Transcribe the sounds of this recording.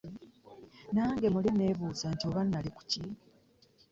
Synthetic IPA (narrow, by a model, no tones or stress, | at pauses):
naːŋɡemuline̞ːβuːzantio̞ːβanːaliku̥ci